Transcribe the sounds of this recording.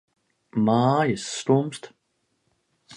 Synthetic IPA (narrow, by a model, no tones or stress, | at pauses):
majɪsːt̪oːmst̪